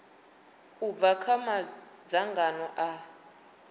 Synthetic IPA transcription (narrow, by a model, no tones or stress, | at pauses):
ub̪vakʰamad͡zaŋɡanɔʔa